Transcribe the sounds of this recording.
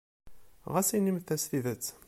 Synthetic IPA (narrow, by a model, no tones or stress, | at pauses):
ʁæsinimθæsθiðət͡sː